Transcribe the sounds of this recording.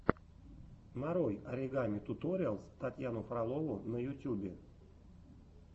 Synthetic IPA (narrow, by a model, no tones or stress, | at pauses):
maɾojaɾʲɪɡamʲit̪ut̪oɾʲalˠsʲt̪at̪ʲjanʊfralˠovʊnəjut̪ʲjubʲe